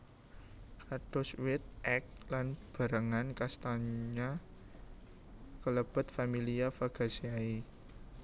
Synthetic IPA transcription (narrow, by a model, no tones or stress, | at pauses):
kaɖ̥ɔ̤swɪt̪̚ɛk̚lanb̥a̤ɾaŋankast̪aɲa | kələb̥ə̤t̪familiafaɡ̥a̤siai